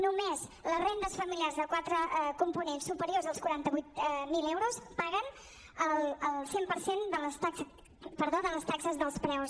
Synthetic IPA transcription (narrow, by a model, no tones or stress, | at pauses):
numezləzrend̪əsfəmiliarzðəkwat̪ɾəkumpunensːupəɾiorzðəlˠskuɾant̪əβujt̪̚milewɾospaɣən | əlˠəlˠsempəɾsend̪ələst̪a | pəɾðoðələst̪aksəzðəlˠspɾɛws